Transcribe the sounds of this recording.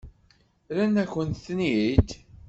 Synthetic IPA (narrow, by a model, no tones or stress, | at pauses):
ɾænæçənt̪θnid̪